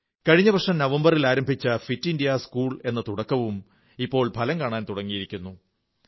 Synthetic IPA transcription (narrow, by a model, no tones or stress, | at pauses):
kɐɻiɲːɐbʱɐkʂɐmnɐʋɐmbɐrilaːɾɐmbʱit͡ɕːɐfitːindijaskuːɭe̞nːɐt̪uɽɐkːɐʋum | ipːo̞ːɭpʰɐlɐmkaːɳaːnt̪uɽɐŋːijiɾikʲːunːu